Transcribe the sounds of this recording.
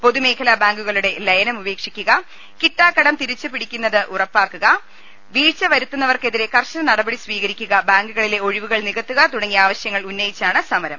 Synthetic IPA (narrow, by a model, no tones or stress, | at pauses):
po̞ðume̞ːkʰɐlɐbaːŋɡuɣɐɭuɽe̞lɐjɐnɐmube̞ːkʂikʲːuɣɐ | kitːaːkːɐɽɐmt̪iɾit͡ɕːupiɽikʲːunːɐðɨʔurɐpːaːkːuɣɐ | ʋiːt͡ɕːɐʋɐɾut̪ːunːɐʋɐrke̞ðiɾe̞kɐrɕɐnɐnɐɽɐbɐɽisʋiːɣɐɾikʲːuɣɐbaːŋɡuɣɐɭile̞o̞ɻiʋuɣɐɭniɣɐt̪ːuɣɐt̪uɽɐŋːijaːʋɐɕjɐŋːɐɭunːɐjit͡ɕːaːɳɨsɐmɐɾɐm